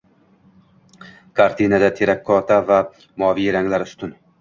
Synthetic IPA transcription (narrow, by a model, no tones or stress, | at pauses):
kʰaɾt̪ʰinad̪at̪ʰeɾakʰːɒt̪ʰava | mɒːvijɾaŋlaɾʊst̪ʊn